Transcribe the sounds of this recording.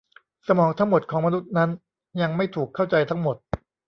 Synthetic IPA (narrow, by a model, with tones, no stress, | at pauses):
sa˧mɔː˩˦ŋt̪ʰa˦˥ŋmo˨˩t̪̚kʰɔː˩˦ma˧nu˦˥t̪̚na˦˥n | ja˧ŋma˥˩jt̪ʰuː˨˩kʰːa˥˩wt͡ɕa˧jt̪ʰa˦˥ŋmo˨˩t̪̚